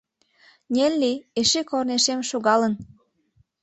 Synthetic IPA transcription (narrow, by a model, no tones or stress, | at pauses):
nʲelʲːieʃekorneʃemʃoɣɑlən